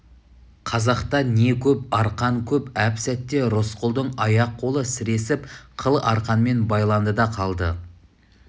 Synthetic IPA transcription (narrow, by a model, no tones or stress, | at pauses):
qʰɑzɑqt̪ɑne̞kʲʰɵp̚ɑɾqɑŋkʲʰɵpæpsæt̪ːe̞ɾʊsqʊlˠd̪əɴɑjɑqʰːo̞lˠəsɪɾe̞sɪpqʰəlˠɑɾqɑnme̞nbɑjlˠɑnd̪əd̪ɑqʰɑlˠd̪ə